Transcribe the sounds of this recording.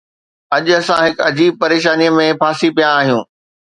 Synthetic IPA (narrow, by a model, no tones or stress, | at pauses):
ɐʄʊɐsãɦɪkɐd͡ʑiːb̚pɐɾeːʃaːnijəmẽpʰaːsipijãaːɦijũː